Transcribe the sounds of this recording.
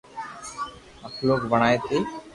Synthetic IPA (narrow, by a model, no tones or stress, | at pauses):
əkʰloːkbəɽ̃aːjet̪eː